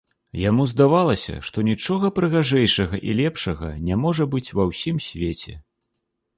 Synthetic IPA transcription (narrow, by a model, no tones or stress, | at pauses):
jamuzd̪avalˠɐsʲɐ̰ʂt̪ɔnʲit͡ʂɔɣɐpɾɨɣaʐɛjʂɐɣɐʔilʲɛpʂɐɣɐ̰nʲamɔʐɐbɨt͡sʲvɐwsʲimsʲvʲet͡sʲɛ̰